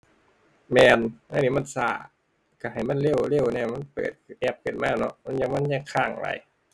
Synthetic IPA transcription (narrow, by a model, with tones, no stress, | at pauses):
mɛː˧nʔaː˧˨ni˧˥˩ma˧˥˨nsaː˧˩ | ka˧˩ha˨˩jma˧˥˨nle˥˩˨wle˥˩˨wniː˧˩˨ma˧˥˨npɤ̰ː˨˩t̪̚ːʔɛ˦˥˩p̚kɤː˨˩t̪̚maː˧˩nɔ̰˧˥ma˧˥˩nja˧ŋma˧˥˨nɲaː˧˩kʰaː˧˥˩ŋ˨la̰˧j